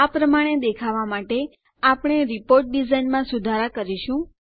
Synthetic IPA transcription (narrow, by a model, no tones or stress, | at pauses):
apɾəmaɽ̃ed̪ekʰaʋamaʈe | apɳ̃eɾipoɾʈ̚ɖizainmãsud̪ʱaɾakəɾiʃũ